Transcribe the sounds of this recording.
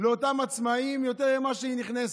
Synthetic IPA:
leotamat͡smaimjo̞t̪eʁimaʃeiniχnes

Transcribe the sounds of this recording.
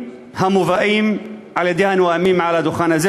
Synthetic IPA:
hamuvaʔiːmʕalɪd̪jaːnwaʔamiːmʕalad̪ʊxaːnaz

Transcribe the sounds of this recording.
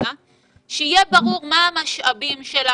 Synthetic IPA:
a | ʃeijebaʁuʁmaamaʃʔabimʃel

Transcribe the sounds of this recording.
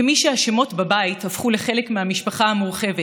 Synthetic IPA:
miʃehaʃemo̞tbabaithafχule̞χe̞le̞kmehamiʃpaχahamuʁχe̞ve

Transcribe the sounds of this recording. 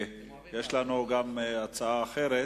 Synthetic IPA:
jeʃlanuɡamat͡saaːχeʁe

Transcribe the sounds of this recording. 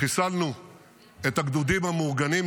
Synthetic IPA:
isalnu | et̪aɡd̪ud̪imamoʁɡanim

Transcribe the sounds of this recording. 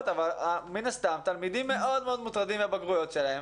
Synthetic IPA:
t̪avalaminast̪amt̪almid̪imːe̞ʔo̞d̪meo̞d̪mut̪ʁad̪imebaɡʁujo̞t̪ʃelahem

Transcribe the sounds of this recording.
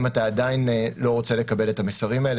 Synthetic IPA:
mataːdainlo̞ʁo̞t͡se̞le̞kabe̞le̞tamesaʁimael

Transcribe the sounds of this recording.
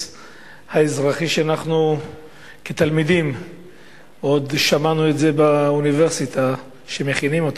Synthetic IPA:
haezʁaχiʃeanaχnu | ket̪almid̪im | o̞d̪ʃamanue̞tze̞baunive̞ʁsit̪ʰa | ʃeme̞χinimo̞t̪a

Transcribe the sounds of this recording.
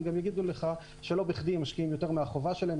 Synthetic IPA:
ɡamjaɡid̪uleχa | ʃe̞lo̞biχdimaʃkiimjo̞t̪e̞ʁmeaχovaʃelaem

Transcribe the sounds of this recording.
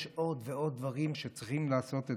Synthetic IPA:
ʃʔo̞dveo̞d̪̚ːvaʁimʃet͡sʁiχimlaːso̞t̪e

